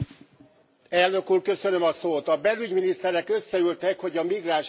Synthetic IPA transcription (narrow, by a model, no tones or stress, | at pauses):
ɛlnø̞kuːrkø̞sønømɒsoːt̪ɒbɛlyɟminist̪ɛɾɛkø̞sːɛylt̪ɛkho̞ɟɒmiɡraːʃ